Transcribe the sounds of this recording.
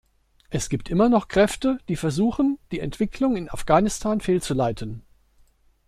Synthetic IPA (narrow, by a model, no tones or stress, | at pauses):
ʔɛsɡ̥iːp̚tʔɪmɐnɔχkʁ̥ɛftəd̥iːfɛɐzuːxənd̥iːɛ̰ntv̥ɪkʰlʊŋɪna̰fɡ̥aːnɪstʰaːnfeːlt͡sulaɪtʰən